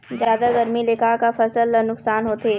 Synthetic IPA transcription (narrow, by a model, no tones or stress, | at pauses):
zjaːd̪aɡɐɾmilɪkaːkafɐsəlnʊksaːnɦoːt̪eː